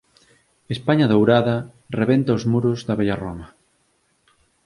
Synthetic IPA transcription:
espaɲɐðowɾaðɐ | reβent̪ɐozmuɾʊzðɐβejɐromɐ

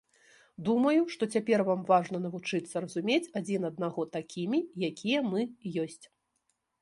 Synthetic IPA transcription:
d̪umɐjuʂt̪ɔt͡sʲapʲɛrvamvaʐnɐnɐvut͡ʂɨt̪sːɐɾɐzumʲet͡sʲad͡zʲinɐd̪̚naɣɔt̪akʲʰimʲijakʲijɐmɨjɔsʲt͡sʲ

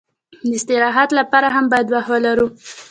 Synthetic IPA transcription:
d̪əɪst̪ɪɾɑɦad̪lapɑɾaɦambɑjad̪wahwalaɾu

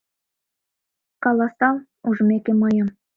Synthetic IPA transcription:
kɑlˠɑsɑlˠ | uʐmʲekʲemɤ̆jɤ̆m

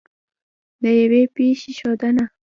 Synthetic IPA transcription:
d̪əjawepeʃeʃɑd̪əna

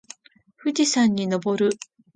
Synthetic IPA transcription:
ɸɯ̟d͡ʑisãɲ̟ːino̞bo̞ɾɯ̟

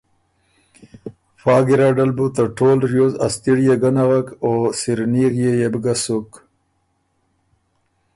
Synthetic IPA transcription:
fɑːɡiɾaɖalbut̪aʈʰoːlɾjoːzast̪iɽjeɡanaɣakoːsiɾniɣjejebɡasuk

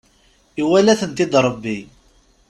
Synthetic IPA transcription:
iwælæθənt̪id̪ɾˤəbːi

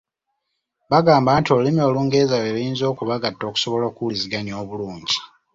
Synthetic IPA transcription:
βaɡaːmbantio̞limo̞ːluːŋɡe̞ːzaleβijiːnzo̞ːkuβaɡatːo̞ːku̥so̞βo̞loːkuliziɡanio̞ːβuluːɲɟi

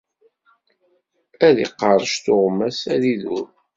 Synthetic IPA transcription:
æðḭqːɑɾˤʃt̪oʁmːæsæðiðʊɾ

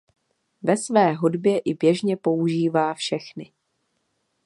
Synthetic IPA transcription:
vɛsvɛːɦudbjɛʔɪbjɛʒɲɛpo̞uʒiːvaːfʃɛxnɪ

